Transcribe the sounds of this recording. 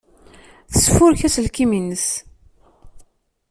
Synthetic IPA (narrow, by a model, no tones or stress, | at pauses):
θə̥sfʊɾçæsəlkiminəs